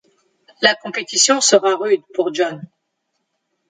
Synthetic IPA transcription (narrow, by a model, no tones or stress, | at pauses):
lakɔ̃pet̪isjɔ̃səʁaʁyd̪puʁd͡ʒɔn